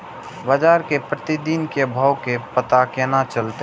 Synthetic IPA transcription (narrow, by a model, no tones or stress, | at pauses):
bad͡ʒaːɾkepɾət̪id̪inkebʱawkepət̪akenat͡ʃəlt̪e